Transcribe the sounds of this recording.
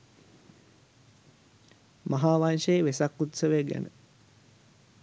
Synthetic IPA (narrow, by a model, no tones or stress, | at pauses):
maɦaːʋanʃəeʋesakːut̪səʋeɡæ̰nə̰